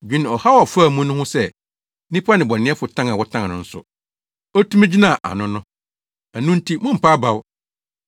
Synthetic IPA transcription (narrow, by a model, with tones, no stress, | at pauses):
d͡ʑᶣi˦ñ˨ɔ˨ha˦wɔ˨fa˦˨mũ˦nʊ̃˦hʊ̃˦sɛ˦˨ | nĩ˦pʰa˦nɪ̃˨bɔ˨nɪ̃˦ɛ˦fʊ˨tʰã˦ŋã˨wɔ˦tʰã˦ŋã˨ʊ̃˨n̩˦sʊ̰˨ | ɔ˦tʰũ˦mɛ̃˦d͡ʑi˦nã˦˨ʔa̰˨nʊ̃˦nʊ̃˦ | æ˨nʊ̃˦n̩˦tʰi˦mʊ̃˦m̩˨pʰa˦ba˨w